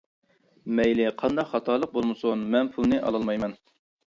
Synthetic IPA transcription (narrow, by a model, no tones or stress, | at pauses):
mɛjlɪqʰɑnd̪ɑqχɑt̪ʰɑlˠəq̚bolˠmɨsunmɛnpʰulˠnɨʔɑ̰lˠɑlˠmɑjmɛn